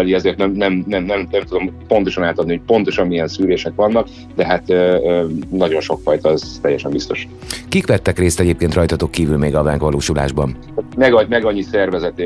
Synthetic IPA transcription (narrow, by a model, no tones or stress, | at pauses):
ɛliɛzeːrt̪nɛmnɛmnɛmnɛmnɛmt̪ud̪o̞mpo̞nt̪o̞ʃɒnaːt̪ɒd̪nioc̚po̞nt̪o̞ʃɒmːijɛnsyːleːʃɛkʋɒnːɒk | d̪ɛɦat̪øːnɒɟo̞nʃo̞kfɒjt̪ɒɛz̥t̪ɛjːɛʃɛmbist̪o̞ʃ | kikʋɛt̪ːɛkreːst̪ɛɟeːp̚keːnt̪rɒjt̪ɒt̪o̞kːiːvylmeːɡɒvaŋkʋɒloːʃula̰ːʒbɒn | mɛɡɒmɛɡɒɲːisɛrvɛzɛt̪e